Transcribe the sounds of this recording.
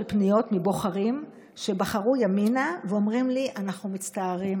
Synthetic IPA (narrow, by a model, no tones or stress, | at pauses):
lpnijo̞tmibo̞χaʁim | ʃe̞baχaʁujaminaveo̞mʁimliʔanaχnumit͡staːʁim